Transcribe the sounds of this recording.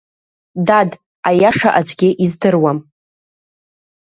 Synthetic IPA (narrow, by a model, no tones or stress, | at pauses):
dad | ajaʂaʔad͡ʒʷʼɡʲɪʔizdɨrwam